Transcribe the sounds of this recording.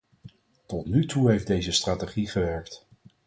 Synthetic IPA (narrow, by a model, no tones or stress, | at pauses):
tɔtnytuɦejfdejzəstraːteχiχəʋɛɹkt